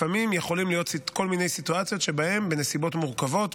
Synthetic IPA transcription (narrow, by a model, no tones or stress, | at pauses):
amimjeχo̞limlijo̞t̪siko̞lmine̞jsituat͡sjo̞t̪ʃe̞bahe̞mbe̞nesibo̞tmuʁkavo̞t̪